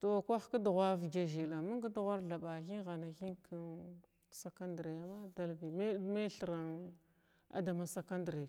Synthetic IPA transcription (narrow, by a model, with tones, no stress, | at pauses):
to˨kʷa˦xka˦du˨ɣʷa˦vɡa˨ʒi˨la˨mu˦ŋ˦ɡa˦dɣʷa˦ɾɮa˨ɓa˨xi˦nɣa˨na˨xi˦nkʰa˦n | sa˨ka˦ndɾe˨ja˨ma˦da˦lbi˨ma˦ma˦ɬə˨ɾa˨n | a̰˨da˨ma˨sa˦ka˦ndɾe˨